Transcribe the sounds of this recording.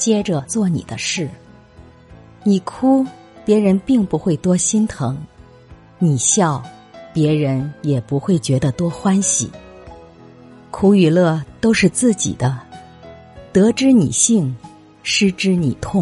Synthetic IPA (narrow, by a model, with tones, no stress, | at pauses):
t͡ɕjɛ˥ʈ͡ʂə˨t͡swɔ˥˩nḭ˨˩d̪ə˦ʂɻ̩˥˩ | ni˨˩kʰu˥ | pjɛ˧˥ɻə˧˥npi˥˩ŋpu˧˥xwe˥˩ɪt̪wɔ˥ɕi˥nt̪ʰɤ˧˥ŋ | ni˨˩ɕjɑ˥˩ʊpjɛ˧˥ɻə˧˥njɛ˨˩pu˧˥xwe˥˩ɪt͡ɕɥɛ˧˥d̪ə˧t̪wɔ˥xwa˥nɕḭ˨˩ | kʰu˥y˨˩lɤ˥˩t̪o˥ʊʂɻ̩˥˧t͡sɹ̩˥˩t͡ɕḭ˨˩d̪ə˦ | t̪ɤ˧˥ʈ͡ʂɻ̩˥nḭ˨˩ɕi˥˩ŋ | ʂɻ̩˥ʈ͡ʂɻ̩˥ni˨˩t̪ʰʊ˥˩ŋ